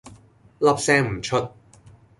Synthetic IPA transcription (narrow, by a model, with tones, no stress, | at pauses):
lɐ˥p̚sɛː˥ŋm̩˨˩t͡ʃʰɵ˥t̚